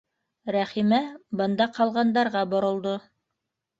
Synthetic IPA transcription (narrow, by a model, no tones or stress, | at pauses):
ɾæχimæbɤ̆nd̪ɑqɑlˠʁɑnd̪ɑɾʁɑbŏɾŏlˠd̪o